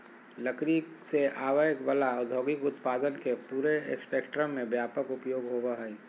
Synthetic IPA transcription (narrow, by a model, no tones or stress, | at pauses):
ləkɾiseʔaːʋəjkbəlaʊd̪ʱoːɡɪkʊt̪paːd̪ənkepuːɾeḛkspeːkʈɾəmːẽbjaːpəkʊpjoːɡɦoːʋaɦɛi